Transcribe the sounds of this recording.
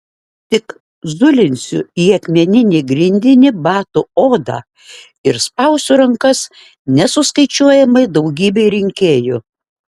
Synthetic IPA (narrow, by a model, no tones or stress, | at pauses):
t̪ʲɪk | zʊlʲɪnʲsʲʊ̰iːɐkʲmʲɛnʲɪnʲeːɡɾʲɪnʲd̪ʲɪnʲɪbɑːt̪ʊoːd̪ɑ̰ | ɪɾspɐʊsʲʊɾɐŋkɐs | nʲɛsʊskɐɪt͡ʃʲuɔjɛmɐɪd̪ɒʊɡʲiːbʲeɪɾʲɪŋʲkʲeːjʊ